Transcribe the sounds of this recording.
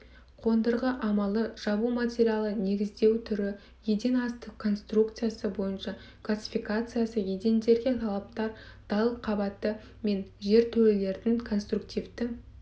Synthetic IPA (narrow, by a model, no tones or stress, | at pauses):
qʰo̞nd̪əɾʁəʔɑmɑlˠəʒ̥ɑbumatʲe̞ɾijalˠəne̞ɡʲɪzd̪e̞wt̪ʰʏɾɪ | jed̪e̞nɑst̪əqkʰːo̞nst̪rukt̪sɨjasəbo̞jənʃɑ | klˠasʲi̥fijkat̪sɨjasəjed̪e̞nd̪e̞ɾɡʲe̞t̪ʰɑlˠɑp̚t̪ɑɾ | d̪̥ɑlˠqʰɑbɑt̪ːə | me̞nʒe̞ɾt̪ʰɵlɪle̞ɾd̪ɪŋkʰo̞nst̪ruk̚t̪ʲijvd̪ɪ